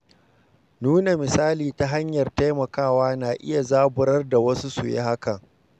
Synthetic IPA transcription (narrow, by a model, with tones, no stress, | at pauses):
nuː˦na˨mɪ˨saː˦liː˨ta˦ɦa˦ɲjɐ˨rta˦jmɐ˨kaː˦˨waː˦naː˨ʔɪ˦ja˨zaː˦bʊ˨ɾɐ˦rda˨wɐ˦su˦sṵ˨jḛ˦ha˦kɐ˨ŋ